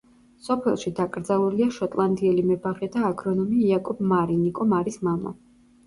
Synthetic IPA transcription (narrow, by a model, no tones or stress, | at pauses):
sɔpʰɛlˠʃid̪akʼɾd̪zalˠuliaʃɔt̪ʼlˠand̪iɛlimɛbaʁɛd̪aːɡɾɔnɔmiːakʼɔbmaɾinikʼɔmaɾismama̰